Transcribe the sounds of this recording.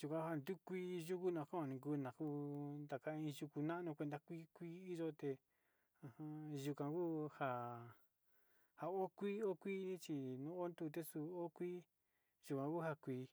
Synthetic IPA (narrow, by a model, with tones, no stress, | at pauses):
ʒ̥u˧kʷã˨˧˦a˦˧˨nd̪u˦kʷiː˦˧ʒu˦ku˦nã˧˨kã˦ã˧nĩ˧k̬uː˧˦nã˨ku˦nd̪a˨ka˧ĩ˧ʒu˧ku˧nã˦ʔnũ˧kʷe˧nd̪a˧kʷiː˦kʷiː˦i˦ʒo˦t̪e˧ | ã˧hã˧ʒu˧kã˧˨kuː˦ha˧ | ha˨˧o˦kʷi˦o˦kʷi˦t͡ʃi˧nũ˦o˦nd̪u˦˧t̪̬e˦su˧o˦kʷiː˦ | ʒ̥u˧kʷã˧ku˦ha˧kʷiː˧